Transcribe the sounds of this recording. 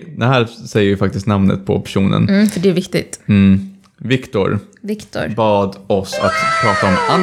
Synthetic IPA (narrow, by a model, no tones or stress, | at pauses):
d̪ɛɦæːɾsɛjːəɾvɪfak̚t̪ɪst̪namnə̰t̪̚pʰɔ̰pʰæʂuːnə̰nfœɖɛːvɪkt̪ɪ̰t̪̩ː | vɪkt̪ʊ̰ɾvɪkt̪ʊ̰ɾbɑːd̪ɔsa̰t̪pʰɾɑːt̪aɔman